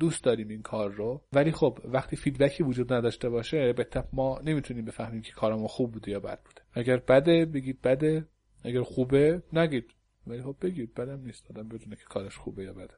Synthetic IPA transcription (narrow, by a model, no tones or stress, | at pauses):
d̪uːst̪d̪ɒːɾiːminkʰɒːɾːovæliːxobvæxt̪ʰiːfiːd̪bæcʰiːvod͡ʒuːd̪næd̪ɒːʃt̪e̞βɒːʃebet̪ʰːæmɒːne̞miːt̪ʰuniːmbe̞fæhmiːmcʰe̥kʰɒːɾemunxuːb̚ːuːd̪ejɒːbæ̰d̪̥̚buːd̪̥eʔæɟæɾbæd̪ebe̞ɡiːd̪̚bæd̪e | ʔæɡæɾxuːbenæɡiːd̪̥ | væliːxo̞bːe̞ɡiːd̪̚bæd̪æmniːst̪ɒːd̪æmbe̞d̪uːnecʰe̥kʰɒːɾæʃxṵːbejɒːbæd̪e